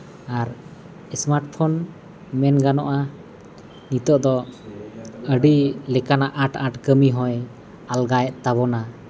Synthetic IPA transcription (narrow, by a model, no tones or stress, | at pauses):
aɾ | ɛsmaɾʈ̚pʰɔn | mɛnɡanɔ̰ʔa | nit̪ɔʔd̪ɔ | əɖilɛkanaʔaʈaʈkəmiɦɔ̃j | alɡajɛʔ̪̚t̪aβɔna